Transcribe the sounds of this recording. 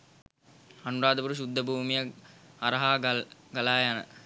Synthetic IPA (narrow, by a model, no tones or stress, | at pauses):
ɐnuɾaːd̪əpuɾuɕud̪ʱːəbʱuːmijɐaɾɐɦaːɡɐlaːjanə̰